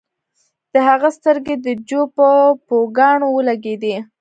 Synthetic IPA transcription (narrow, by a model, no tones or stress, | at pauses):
d̪̥əɦaɣast̪əɾɡed̪əd͡ʒopəpoɡɑɳowəlaɡed̪i